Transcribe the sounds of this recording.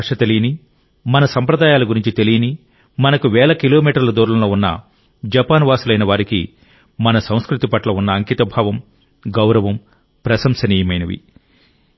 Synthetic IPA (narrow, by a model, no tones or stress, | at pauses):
kʂɐt̪elijni | mɐnɐsɐmpɾɐd̪aːjaːluɡuɾiɲt͡ʃit̪e̞lijɐni | mɐnɐkuʋɛːɭɐkilo̞ːmiːʈɐɾlɐd̪oːɾulɐloːunːɐ̰ | d͡ʒɐpaːnʋaːsulɐjnɐʋaːɾikḭ | mɐnɐsɐ̃w̃skɾut̪ipɐʈlɐunːɐːŋkit̪ɐbʱaːʋɐm | ɡɐwɾɐʋɐm | pɾɐsɐmsɐniːjɐmɐjnɐʋḭ